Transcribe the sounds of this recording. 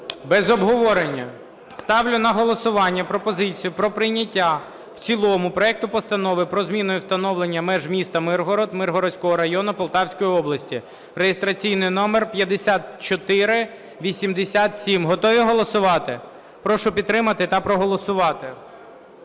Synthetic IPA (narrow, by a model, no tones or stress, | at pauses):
bɛzɔbɦɔʋɔɾenʲːɐ | st̪ɑwlʲʊnɐɦɔlˠɔsʊʋɑnʲːɐpɾɔpɔzɪt͡sʲijʊpɾɔpɾɪjnʲɐtʲːa | w̥t͡sʲilˠɔmʊpɾɔɛk̚t̪ʊpɔst̪ɐnɔʋɪpɾɔzmʲinɔjʊwst̪ɐnɔʋlenʲːɐmɛʒmʲist̪ɐmɪrɦɔɾɔd̪mɪrɦɔɾɔsʲkɔɦɔɾɐjɔnʊpɔlˠt̪ɑwsʲkɔjiɔblˠɐsʲtʲi | rejest̪ɾɐt͡sʲijnɪjnɔmerpʲjɐd̪esʲat̪t͡ʃɔt̪ɪɾɪ | ʋʲisʲimd̪esʲat̪sʲimɦɔt̪ɔʋʲiɦɔlˠɔsʊʋɑt̪ɪ | pɾɔʃʊpʲid̪̚t̪ːɾɪmɐt̪ɪt̪ɐpɾɔɦɔlˠɔsʊʋɑt̪ɪ